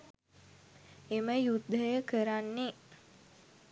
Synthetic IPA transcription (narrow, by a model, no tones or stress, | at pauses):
eməjud̪ʱːəjəkəɾanːe